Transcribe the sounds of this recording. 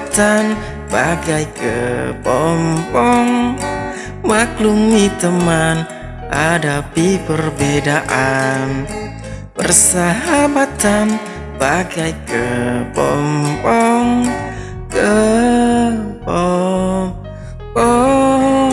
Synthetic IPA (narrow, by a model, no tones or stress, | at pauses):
t̪an | baɡajkə̰pɔmpɔŋ | maklumit̪əman | adapipərbedaʔan | pə̰rsaɦabat̪an | baɡajkəpɔ̰mpɔŋ | kə | pɔ | pɔ